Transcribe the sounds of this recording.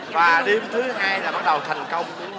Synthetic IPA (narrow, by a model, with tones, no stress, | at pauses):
vaː˨˩ɗe˧mt̪ʰɨ˨˦ɦaː˧jlaː˨˩ɓa˦˥t̚ɗə˨˩wt̪ʰə˨˩jŋ̟kə˧wŋ͡m